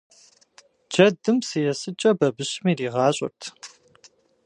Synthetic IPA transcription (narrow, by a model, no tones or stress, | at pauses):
d͡ʒɐdɨmsɨjɛsɨt͡ʃʼɐbɐbɨɕɪmiːriːʁɑːɕʼɪ̰rtʰ